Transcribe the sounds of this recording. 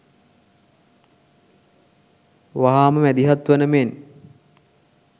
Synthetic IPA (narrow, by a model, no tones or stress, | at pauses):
ʋaɦaːməmæd̪iɦat̪ʋɐnəmen